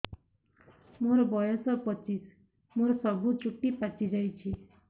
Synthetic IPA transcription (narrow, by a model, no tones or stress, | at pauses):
moɾɔbɔjɔsɔpɔt͡ʃis | moɾɔsɔbʱut͡ʃuʈːipat͡ʃid͡ʒajt͡ʃʰi